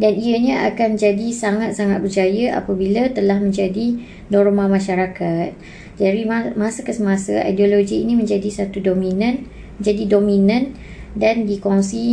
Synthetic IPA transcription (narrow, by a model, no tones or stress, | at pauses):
daniaɲãa̰kand͡ʒadisaŋat̪̚saŋat̪̚bərd͡ʒajaʔa̰pabilat̪əlahmə̃ɲd͡ʒadi | nɔɾmãmãʃaɾakat̪̚ | d͡ʒaɾimãsakəsəmãsaa̰jdioloɡiːnĩmə̃ɲd͡ʒadisat̪udomĩnãn | əɲd͡ʒadidomĩnãn | dandikoŋsi